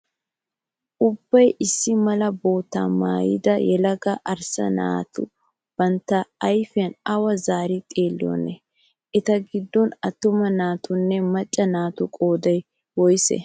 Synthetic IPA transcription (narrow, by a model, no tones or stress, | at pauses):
ʔʊbːɐjʔɪsːɪmɐlɐbo̞ːt̪ːa̰ːma̰ːjɪ̰d̪ɐjɛlɐɡɐʔɐɾsɐ̰na̰ːt̪ʊ̰ | b̥ɐnt̪ːɐɐjfɪjɐnɐwɐzaːɾɪt̪ʼeːlːɪjɔ̰nɛ | ʔɛt̪ɐɡɪd̪ːɔnɐt̪ːʊmɐnaːt̪ʊnːɛmɐt͡ʃʼːɐnaːt̪ʊkʼo̞ːd̪ɐj | wɔjsɛ̰